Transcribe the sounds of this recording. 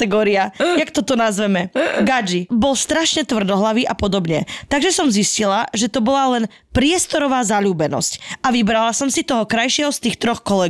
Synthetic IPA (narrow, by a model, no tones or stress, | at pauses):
ɛɡɔːɾiajakt̪ɔt̪ɔnazʋɛmɛɡad͡ʒibɔlst̪ɾaʃɲɛt̪ʋr̩d̪ɔɦlaʋiʔapɔd̪ɔbɲɛt̪aɡʒɛsɔmziscilaʒɛt̪ɔbɔlalɛn | pɾɪɛst̪ɔɾɔʋaːzaʎuːbɛnɔ̰scaʋibɾalasɔmsit̪ɔɦɔkɾajʃɪɛɦɔst̪iːxt̪ɾɔxkɔlɛɡ